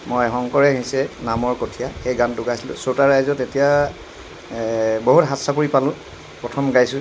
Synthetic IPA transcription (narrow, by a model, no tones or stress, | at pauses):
mɔjxɔŋkɔɹɛɦĩsɛnamɔɹkotʰijaxejɡantʊɡajsilʊ̰sotaɹajzɔtetija | boɦutɦatsakuɹipalʊ̃ | pɹɔtʰɔmɡajsʊ̃